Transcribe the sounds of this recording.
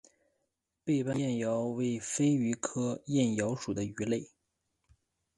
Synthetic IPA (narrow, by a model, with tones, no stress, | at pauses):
pe˥˧ɪpa˥˧jɛ˥˩njɑ˧˥ʊwe˥˩ɪfe˥ɪy˧˥kʰɤ˥jɛ˥˩njɑ˧˥ʊʂu˨˩d̪ə˦y˧˥le˥˩ɪ